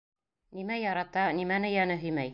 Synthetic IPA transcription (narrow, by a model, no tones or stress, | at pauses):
nimæjɑɾɑt̪ɑnimænɘjɑnɘɦɵ̆jmæj